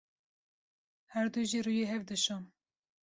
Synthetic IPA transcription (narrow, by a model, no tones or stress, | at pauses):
hæɾd̪uʒirujeɦɛvd̪ɨʃɑm